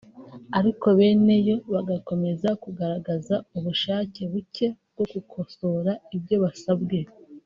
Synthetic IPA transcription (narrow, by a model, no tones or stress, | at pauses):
aɾiko̞βe̞ːne̞jo̞βaɡako̞me̞zakuɡaɾaɡazauβuʃaːce̞βuce̞bɡo̞ɡukʰo̞so̞ɾaibjo̞βasabɡe̞